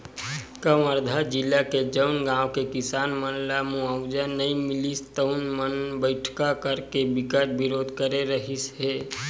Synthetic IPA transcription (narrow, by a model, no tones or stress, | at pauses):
kəməɾd̪ʱad͡ʒɪlːaked͡ʒəʊnɡãːʋkekɪsaːnmənlamuəwd͡ʒənːəĩmɪlist̪əʊnmənbəɪʈʰkakəɾkebɪkəɾbɪɾoːd̪ʱkəɾeɾəɦisɦeː